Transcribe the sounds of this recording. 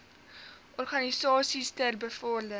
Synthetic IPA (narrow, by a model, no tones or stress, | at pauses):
ʔɔrχɑnisɑːsistɛlbəfɔːlə